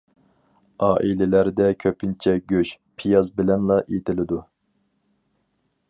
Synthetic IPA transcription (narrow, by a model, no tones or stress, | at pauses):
ɑːʔilɛlæɾd̪ɛkʲʰøpʰint͡ʃʰɛɡʲøʃ | pʰijɑzbɪlɛnlˠɑʔet̪ʰɪlɪd̪u